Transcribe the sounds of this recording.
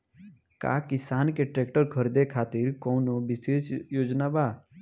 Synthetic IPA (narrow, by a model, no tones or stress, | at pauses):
ka̰ːkɪsaːnkeʈɾeːkʈəɾkʰəɾd̪ekʰaːt̪ɪɾkõnobɪseːsjoːd͡ʒnabaː